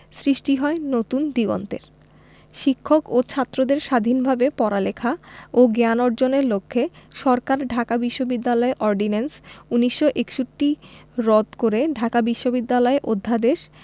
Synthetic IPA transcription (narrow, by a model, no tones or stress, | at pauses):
sɾiʃʈiɦɔenot̪und̪iɡɔ̰nt̪ḛɾ | ʃikʰːokot͡ɕʰat̪ːɾod̪eɾʃad̪ʱinbʱabepɔɾalekʰaoɡanɔɾd͡ʑoneɾlokʰːeʃɔɾkaɾɖʱakabiʃːobid̪ːalɔeɾʔɔɾɖinensuniʃːoʔekʃuʈːiɾɔd̪koɾeɖʱakabiʃːobid̪ːalɔeʔod̪ʱːad̪eʃ